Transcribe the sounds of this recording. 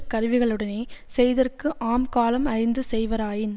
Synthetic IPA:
kːɐɾɯʋɪɣɐɭɯɽɐneːsɛjðɐrkɯʔaːmkaːlɐmɐɾɪnd̪ɯsɛjʋɐɾaːjɪn

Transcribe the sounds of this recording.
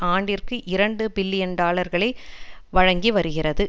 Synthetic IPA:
ʔaːɳɖɪrkɯʔɪɾɐɳɖɯbɪlːɪjɐnɖaːɭɐɾɣɐɭɐɪʋɐɻɐŋɡiʋɐɾɯɣɪrɐðɯ

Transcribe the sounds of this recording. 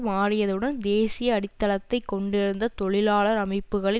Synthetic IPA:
maːrɪjɐðɯɽɐnd̪eːsɪjɐːɽɪt̪ːɐlɐt̪ːɐɪkːɔɳɖɪɾɯnd̪ɐt̪ɔɭɪlaːɭɐɾɐmɐɪpːɯɣɐɭɪ

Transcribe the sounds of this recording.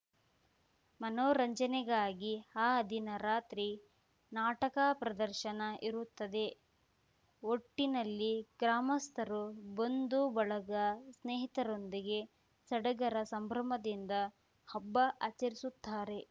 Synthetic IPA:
mɐnoːɾɐɲd͡ʒɐnɛɡaːɡihaːɐd̪ʱinɐɾaːt̪ɾi | naːʈɐkapɾɐd̪ɐɾʃɐnɐʔiɾut̪ːɐd̪e̞ | oʈːinɐlːiɡɾaːmɐst̪ʰɐɾubond̪ubɐɭɐɡɐsneːɦit̪ɐɾo̞nd̪iɡe | sɐɽɐɡɐɾɐsɐmbʱɾɐmɐd̪ind̪ɐ | hɐbːɐʔɐt͡ʃɐɾisut̪ːaːɾe̞

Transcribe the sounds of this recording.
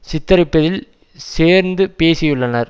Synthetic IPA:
sɪt̪ːɐɾɪpːɐðɪl | seːɾnd̪ɯpeːsɪjɯɭːɐnɐɾ

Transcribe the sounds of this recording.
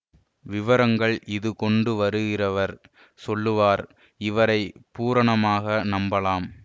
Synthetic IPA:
ʋɪʋɐɾɐŋɡɐɭɪðɯkɔɳɖɯʋɐɾɯɣɪrɐʋɐɾ | sɔlːɯʋaːɾ | ɪʋɐɾɐɪpuːɾɐɳɐmaːɣɐnɐmbɐlaːm

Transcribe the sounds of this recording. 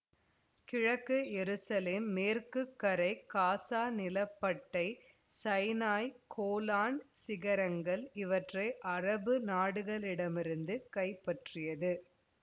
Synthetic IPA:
kɪɻɐkːɯjɛɾɯsɐleːmːeːrkɯkːɐɾɐɪkaːsaːnɪlɐpːɐʈːɐɪ | sɐɪnaːjkʰoːlaːnsɪɣɐɾɐŋɡɐɭɪʋɐʈrɐɪʔɐrɐbɯnaːɽɯɣɐɭɪɽɐmɪɾɯnd̪ɯkɐɪpːɐʈrɪjɐðɯ

